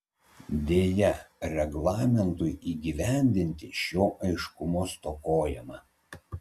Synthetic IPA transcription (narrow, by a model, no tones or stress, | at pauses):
d̪ʲeːjɛɾʲɛɡlˠɑːmʲɛnt̪ʊɪʔiːɡʲiːʋʲæˑnʲd̪ʲɪnʲt̪ʲɪʃʲoːʔɐɪʃkʊmoːst̪okoːjɛmɑː